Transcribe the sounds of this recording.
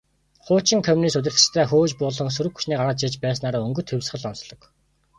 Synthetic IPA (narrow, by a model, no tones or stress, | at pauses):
χʊːt͡ɕĭŋkʰɔmʲiniːst̪ɵ̟t̪̬ʲɘ̆r̥t̪t͡ɕt̪ʰæːxoːt͡ɕpʊːɮɞ̆ŋs̬ɵɾɘ̆kxu̥ʃniːkɢaɾʁət̪̚t͡ɕit͡ɕpæːsnaːɾaːɵŋɡɵ̆t̪ʰxewʲsχə̆ɮɔnsɮɞ̆k